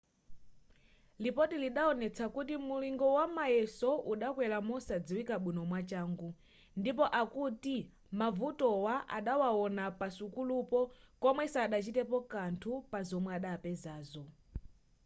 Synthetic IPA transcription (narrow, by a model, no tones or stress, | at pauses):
lipɔtiliɗaɔnɛt͡sʰakutimuliŋɡɔwamajɛsɔʔuɗakwɛlamɔsad͡ziwikaɓinɔmwat͡ʃaːŋɡu | ndipɔʔakuti | mavutɔwaʔa̰ɗawaɔnapasukulupɔkɔmwɛsaːɗat͡ʃitɛpɔkantʰupazɔmwɛaɗaːpɛzaːzɔ